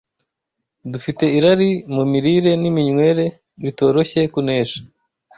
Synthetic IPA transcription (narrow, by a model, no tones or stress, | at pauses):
dufite̞iɾaɾimumiɾiɾe̞nimiɲwe̞ɾe̞ | ɾito̞ːɾo̞çe̞kune̞ːʃḁ